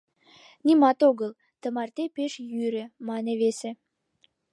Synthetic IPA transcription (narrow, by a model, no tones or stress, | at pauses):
nʲimɑt̪oɣəl | t̪ə̆mɑrt̪epeʃjyɾĕmɑneβesĕ